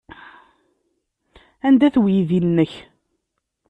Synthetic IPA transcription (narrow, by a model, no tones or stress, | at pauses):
ænd̪æθwjiðinːəç